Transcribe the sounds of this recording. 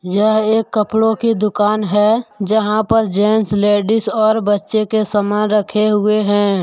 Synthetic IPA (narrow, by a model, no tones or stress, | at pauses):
jəɦeːkːəpɽokid̪ʊkaːnɦɛːd͡ʒəɦãpəɾd͡ʒeːnsleːɖɪsɔːɾbətːʃekesəmaɾəkʰeɦʊeɦɛ̃ː